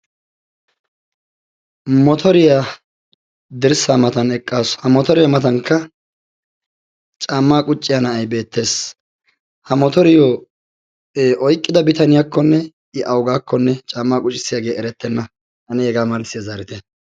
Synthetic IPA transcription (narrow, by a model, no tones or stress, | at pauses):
mɔt̪ʰɔɾɪja | d̪ɪɾsaːmɐt̪ɐnɛkʼːaːshɐmɔt̪ɔɾɪjamɐt̪ɐŋkʰːɐ | t͡ʃʼaːmːaːkʼʊt͡ʃʼːɪjɐnɐɐjbe̞ːt̪ːe̞ːs | hɐmɔt̪ɔɾɪjoː | ʔɔjkʼːɪd̪ɐbɪt̪ɐnɪjakːɔnːɛ | ɪʔɐwɡaːkːɔnːɛt͡ʃʼaːmːaːkʼʊt͡ʃʼɪsːɪjaɡe̞ːɛɾɛt̪ːɛnːɐ | ʔɐnɪhɛɡaːmɐlɪsɪjazaːɾɪt̪ɛ